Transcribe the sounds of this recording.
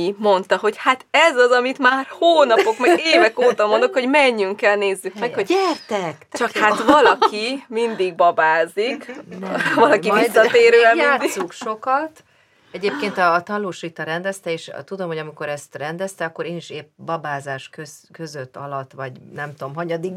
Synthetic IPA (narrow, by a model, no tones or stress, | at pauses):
imo̞nt̪ɒɦo̞chat̪ɛzɒzɒmit̪maːrhoːnɒpo̞kmɛɡeːvɛkoːt̪ɒmo̞nd̪o̞kho̞ɟmɛɲːyŋkɛlneːzːykmɛkhoɟɛrt̪ɛkt͡ʃɒkhatvɒlɒkimind̪iɡ̚bɒbaːzik | vɒlɒkivisːɒt̪eːɾøːɛljaːisukʃo̞kɒt̪ | ɛɟeːp̚keːnt̪ɒːt̪ɒlːuːʃit̪ɒɾɛnd̪ɛst̪ɛeːʃt̪ud̪o̞mhoɒmiko̞ɾɛst̪rɛnd̪ɛst̪ɛɒkːoɾeːniʃeːpbɒbaːzaːʃkøkøzøt̪ːɒ̰lɒt̪ːʋɒɟnɛmt̪oomɦɒɲɒd̪iɡ